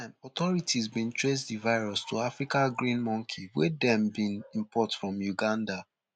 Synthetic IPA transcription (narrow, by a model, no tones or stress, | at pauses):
mɔt̪ɔɹitizbĩntʰɹesdivaɪɹɔstʰuafɹikaɡɹĩnmɔ̃ŋkʰiwɛ̰dɛ̃mbĩnĩmpʰɔtfɹɔ̃mjuɡãnda